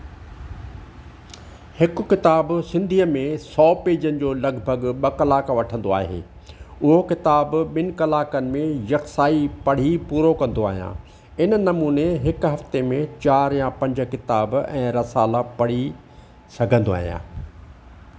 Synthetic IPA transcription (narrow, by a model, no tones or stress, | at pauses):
hɪkʊkɪt̪aːbsɪ̃nd̪ʱiːəmẽsɔːpeːd͡ʑənɪ̆d͡ʑoːlɐɡʱbʱɐɠɓɐkɐlaːkaʋɐʈʰə̃nd̪oa̰ːɦḛː | ʊɦokɪt̪aːbɓɪnɪ̆kɐlaːkənɪ̆mẽjɐksaːipɐɽ̤ipuːɾokɐ̃nd̪oa̰ːɦijã̰ː | ɪnnɐmuːneɦɪkɦɐft̪emẽt͡ɕaːɾjãpɐ̃ɲd͡ʑkɪt̪aːbɛ̰̃ːɾɐsaːlapɐɽ̤i | sɐɡʱə̃nd̪oa̰ːɦijã̰ː